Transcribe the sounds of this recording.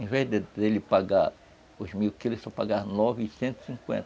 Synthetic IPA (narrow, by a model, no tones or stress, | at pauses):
ẽvɛzd̪ed̪elɪpaɡaɾ | ʊzmiwkilʊʃsapaɡaɾnɔvɪisẽnt̪ɪ̥sĩkwḛ̃nt̪ɐ